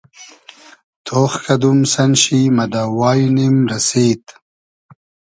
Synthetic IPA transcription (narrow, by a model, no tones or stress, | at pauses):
t̪ʰoːxkɐd̪umsɐnɕimɐd̪aːwaːjinimɾɐseːt̪